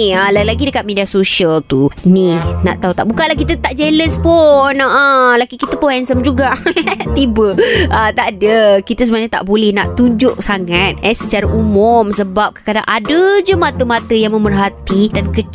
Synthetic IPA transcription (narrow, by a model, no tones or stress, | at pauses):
əlalaɡidəkat̪̚mẽdiasosiəlt̪unina̰ʔt̪aut̪aʔbukanlahkit̪ət̪aʔd͡ʒeləspʊnəʔəlaɡikit̪əpʊhɛnsəmd͡ʒuɡaʔt̪ibəət̪aʔdəkit̪əs̬əbənaɲat̪a̰ʔbolɛhna̰ʔt̪uɲd͡ʒʊʔsaŋat̪̚ɛsət͡ʃaɾaʔumʊmsəbap̚kə̥kada̰ŋʔadəd͡ʒəmat̪əmat̪əjaŋmə̃mərɦat̪idankə